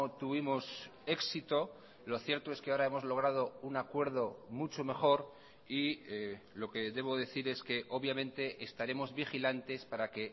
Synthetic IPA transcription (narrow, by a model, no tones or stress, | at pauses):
t̪uβimo̞se̞ksit̪o̞ | lo̞θje̞ɾt̪o̞eskeaoɾae̞mo̞zlo̞ɣ̞ɾað̞o̞unakwe̞ɾð̞o̞mut͡ʃo̞me̞xo̞ɾ | i | lo̞ke̞ðe̞β̞o̞ðe̞θiɾe̞ske̞ʔo̞βjamẽ̞nt̪e̞ʔːst̪aɾe̞mo̞zβixilant̪e̞spaɾake̞